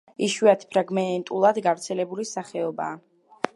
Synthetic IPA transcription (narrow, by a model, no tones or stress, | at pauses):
iʃwiat̪ʰpʰɾaɡmɛnt̪ʼulˠad̪ɡavt̪sʰɛlɛbulisaχɛɔba̰ː